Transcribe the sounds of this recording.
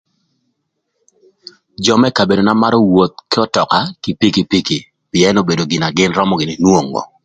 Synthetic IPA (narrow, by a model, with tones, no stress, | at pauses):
d͡ʒɔ˨mɛ˦ka˨be˨do˨na˦ma˦ɾɔ˦wo˨t̪̚kɪ˦ɔ˦tɔ˨ka˨ki˨pi˦ki˨pi˦ki˨ | pɪ˨ɛ˦no˦be˨do˨ɡɪ˨na˨ɡɪ˦nrɔ˦mɔ˨ɡɪ˨nɪ˨nwo˦ŋɔ̰˨